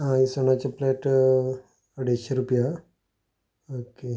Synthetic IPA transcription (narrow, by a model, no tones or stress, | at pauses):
ãisonat͡ɕaplɛʈ | əɽeɕeɾupja | oke